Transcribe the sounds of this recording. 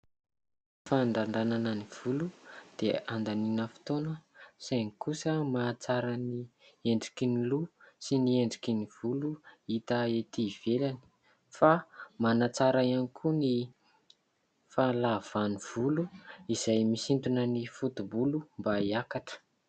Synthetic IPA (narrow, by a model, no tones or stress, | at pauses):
faɳɖ͡ʐaɳɖ͡ʐananəniv̥ulud̪̥eand̪aninəfi̥t̪onəsajnikusəmat͡saɾənieɳɖ͡ʐi̥kinilusinieɳɖ͡ʐi̥kʲiniv̥uluit̪aet̪iv̥elani̥ | famanat͡saɾaianikʰuni | falav̥aniv̥uluiz̥ajmisint̪unənifut̪ubulumbaiakaʈ͡ʂə̥